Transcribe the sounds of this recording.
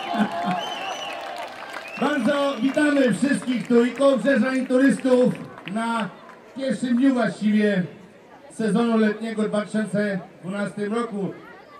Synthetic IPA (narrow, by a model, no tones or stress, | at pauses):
baɾd̪zɔvʲit̪amɘfʂɪst̪̚kʲixt̪uikɔvʐɛʐaɲit̪uɾɘst̪ufna | pʲjɛɾfʂɘmd̪ɲuvwaɕt͡ɕivʲjɛ | sɛzɔnulɛt̪̚ɲɛɡɔd̪vat̪ɪɕɔnt̪sɛd̪vunast̪ɘmɾɔku